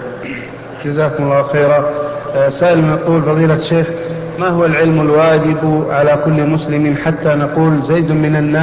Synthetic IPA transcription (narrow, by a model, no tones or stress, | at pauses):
d͡ʒazaːkʊmʊlˤːɑːwxeːɾa | saːʔɪlnɑquːlfɑðˤiːlaʃeːx | maɦʊwalʕɪlmalwaːd͡ʒɪbʕalakʊlːmʊslɪmiːnħat̪ːanaquːlzajːd̪mɪnanːaː